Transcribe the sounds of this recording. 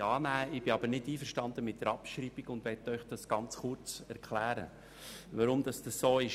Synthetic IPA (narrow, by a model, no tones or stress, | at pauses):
ɑːnæːɪb̥ɪɑbəɾnɪtiːfəɾʃtɑnd̪əmɪt̚d̥əɾɑpʃɾiːb̥iɡʊndʋɛtːœʏχd̥ɑsɡ̥ɑnt͡sχʊɾt͡sɛɾkʰlæːɾə̰ | ʋɑɾʊmd̥̪ɑsd̥ɑsːoːɪʃ